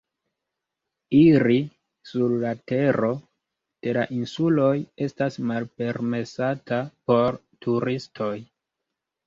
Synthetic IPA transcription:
iɾi | suɾːate̞ɾo̞ | d̥e̞laʔinsulo̞je̞stasmalpe̞ɾme̞satapo̞ɾ | tʰuɾistʰo̞j

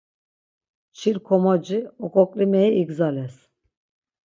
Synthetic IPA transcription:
t͡ʃʰiɾkʰɔmad͡ʒiɔkʼɔkʼlimɛjiiɡzalɛs

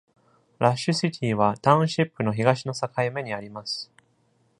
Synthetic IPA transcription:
ɾaɕːɨsit̪ʲʰiːβat̪ãɯ̟̃ɕipːɯ̟no̞çiɡaɕino̞sakaime̞ɲ̟iaɾʲimasɨ̥

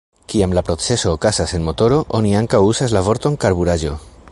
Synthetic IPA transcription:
kiamlapɾo̞t͡se̞so̞ːkasase̞nmo̞t̪o̞ɾo̞ʔoniaŋkawusaslavo̞ɾt̪o̞ŋkaɾβuɾaʒo̞

